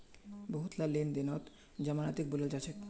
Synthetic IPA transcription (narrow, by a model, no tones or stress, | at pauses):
boɦut̪lalemd̪enɔt̪ | d͡ʑamanat̪ik̚bulald͡ʑat͡ɕʰek